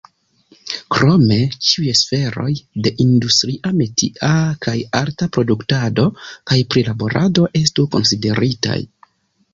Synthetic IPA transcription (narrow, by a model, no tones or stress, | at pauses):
kɾo̞me̞t͡ʃiujesfe̞ɾo̞̰jde̞ʔindustɾiʔametiʔakʰajaɾtapɾo̞duktado̞kajpɾilabo̞ɾʔado̞ʔe̞stuko̞̰nside̞ɾita̰j